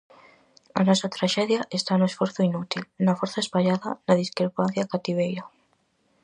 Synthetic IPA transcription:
a̰nɔsat̪ɾaʃɛðjaʔest̪anʊesfɔɾθʊinut̪ilnɐfoɾθaespaʎaðɐ̰naðiskɾepanθjakat̪iβ̞ejɾa

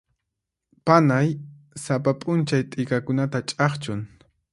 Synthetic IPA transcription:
panaj | sapapʼʊnt͡ʃajt̪ʼɪkakʊnat̪at͡ʃʼɑχt͡ʃʊŋ

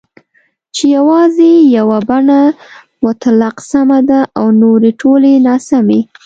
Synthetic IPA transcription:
t͡ʃejawɑzejawabaɳa | wat̪alaqsamad̪aʔawnoɾeʈʰolenɑsame

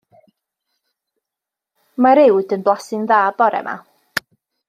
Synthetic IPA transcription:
maɾɪwdənblˠasɪŋðaːbɔɾɛ̰mʔa̰

